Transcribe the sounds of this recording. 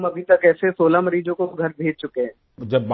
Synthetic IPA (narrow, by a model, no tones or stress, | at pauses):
mɐbʱit̪ɐkɛːsesoːlamɐɾiːd͡ʒõkoɡʱɐɾbʱeːd͡ʒ̚t͡ʃʊkeɦɛ̃ː | d͡ʒɐbː